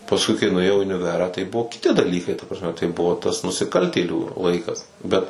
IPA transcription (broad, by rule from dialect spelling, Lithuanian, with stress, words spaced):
pɐsˈkʊɪ kɐɪ nʊeːˈjɛʊ ɪ ʊnʲɪˈʋʲæːrɑː tɐɪ ˈbʊʋoː kʲɪˈtʲɪ dɐˈlʲiːkɐɪ tɐ prɐsʲˈmʲɛ tɐɪ ˈbʊʋoː tɐs nʊsʲɪˈkɐlʲtʲeːlʲuː ˈlˠɐɪkɐs ˈbʲɛt